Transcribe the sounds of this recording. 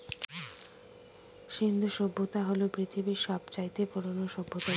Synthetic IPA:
ʃind̪ʱuʃobːot̪aɦolobɾit̪ʰibiʃɔbt͡ɕait̪epuɾonoʃobʱːot̪a

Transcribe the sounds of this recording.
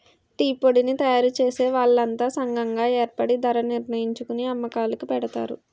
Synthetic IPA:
ʈiːpoɽinit̪ɐjaːɾut͡ʃe̞ːse̞ːʋaːɭːɐnt̪aːsɐŋɡɐŋɡaːeːɾpɐɽid̪ɐɾɐniɾnɐjiɲt͡ʃukuniɐmːɐkaːlukipɛɽɐt̪a̰ːɾṵ

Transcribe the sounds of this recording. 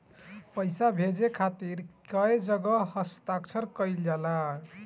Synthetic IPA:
pʌjsabʱed͡zekʰat̪iɾkʌjd͡ʒʌɡʌɦʌst̪akt͡ʃʰʌɾkʌjljala

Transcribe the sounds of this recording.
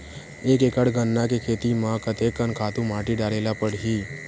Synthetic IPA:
eːkeːkəɽɡənːakekʰeːt̪imãkət̪eːkːənkʰaːt̪ũmãːʈiɖaːleːlapəɽɦiː

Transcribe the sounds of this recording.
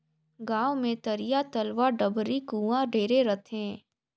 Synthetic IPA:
ɡãːʋmẽt̪ɐɾijat̪ɐlʋaɖɐbɾikũːãɖʱeːɾeɾɐt̪ʰẽː

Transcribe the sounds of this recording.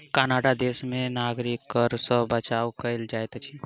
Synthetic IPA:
kanaːɖad̪eːsmẽnaːɡɾikkəɾsə̃bət͡ʃaːwkəɪld͡ʒaːjt̪t͡ʃʰi

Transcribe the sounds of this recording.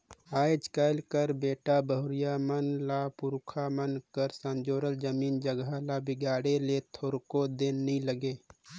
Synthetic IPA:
aːjd͡ʒkəlkəɾbeːʈabəɦʊɾijamənlapʊɾkʰamənkəɾsə̃nd͡ʒoːɾəld͡ʒəmiːnd͡ʒəɡalabɪɡaːɽelet̪ʰoɾkod̪enniləɡeː

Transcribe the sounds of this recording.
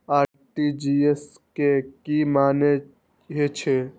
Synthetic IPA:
aː | ʈid͡ʒies | kekimaːne | ɦet͡ʃʰe

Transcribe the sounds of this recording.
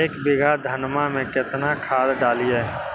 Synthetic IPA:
eːkbɪɡʱad̪ʱənmamẽkɪt̪nakʰaːd̪ɖaːliɛː

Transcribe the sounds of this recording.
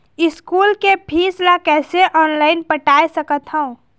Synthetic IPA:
iskulkepʰislakɛːseʔɔːnlaɪnpəʈajsəkət̪ɦəũ

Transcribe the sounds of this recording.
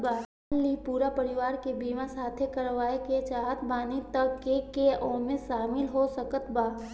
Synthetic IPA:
baː | nlipuːɾapɐɾɪʋaːɾkebiːmãsaːt̪ʰekɐɾʋaːeket͡ʃaːɦt̪ʰbaːnit̪əkːekeɔːmẽʃaːmɪlɦosəkət̪baː

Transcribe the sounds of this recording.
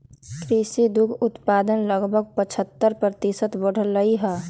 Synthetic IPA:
kɾisid̪ʊkʰʊt̪paːd̪ənləɡbʱəɡ̚pət͡ʃʰət̪ːəɾpɾət̪isət̪bəɽ̤əlːəiɦɛː

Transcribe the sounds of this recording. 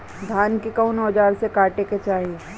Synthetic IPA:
d̪ʱaːnkikaʊnɔːd͡ʒaːɾsekaːʈeket͡ʃaːɦie

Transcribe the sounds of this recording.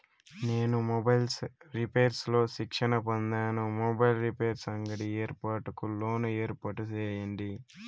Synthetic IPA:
ne̞ːnumɔbɐjlɾipe̞ːɾslo̞ːʃikʂɐnɐpond̪aːnumɔbɐjlɾipeːɾsɐŋɡɐɽieːɾpaːɾʈukulo̞ːnueːɾpaːʈut͡ʃeːjɐɳɖi

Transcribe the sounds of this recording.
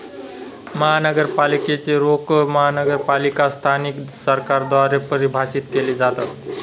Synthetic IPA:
məɦanəɡəɾpaliket͡ʃeɾokməɦanəɡəɾpalikast̪ʰaniksəɾkaɾd̪waɾepəɾibʱasit̪kelid͡ʒat̪ət̪

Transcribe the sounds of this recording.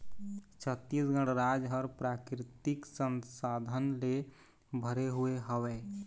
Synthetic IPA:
t͡ʃʰət̪ːisɡəɽ̃ɾad͡ʒɦəɾpɾakɾɪt̪iksənsad̪ʱənle | bʱəɾeɦueɦəwɛ

